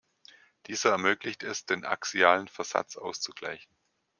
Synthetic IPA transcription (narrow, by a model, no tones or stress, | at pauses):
d̥iːzɐɛɐmøːklɪçtɛsd̥eːnʔa̰ksiaːlənfɛɐz̥a̰t͡sʔa̰ʊst͡suɡ̥la̰ɪçn̩